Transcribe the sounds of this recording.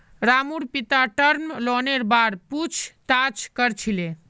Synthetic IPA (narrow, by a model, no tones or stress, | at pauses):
ɾamuɾpit̪aʈəɾmlɔneɾbaɾput͡ʃʰt̪at͡ʃkəɾt͡ʃʰile